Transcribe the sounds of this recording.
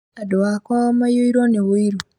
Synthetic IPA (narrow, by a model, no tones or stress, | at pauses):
adowakwamajoiɾonewuiɾo